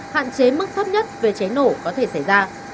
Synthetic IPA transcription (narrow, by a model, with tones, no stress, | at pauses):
ha̰ː˧˨nt͡ɕe˨˦mɨ˦˥k̚t̪ʰə˦˥p̚ɲə˦˥t̚ve˨˩t͡ɕe˨˦no˧˩kɔ˨˦t̪ʰe˧˩sa˧˩jzaː˧